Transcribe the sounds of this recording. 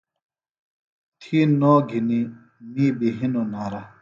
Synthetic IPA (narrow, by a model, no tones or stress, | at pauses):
t̪ʰiːnɔːɡʱini | miːbiɦinonaːɾa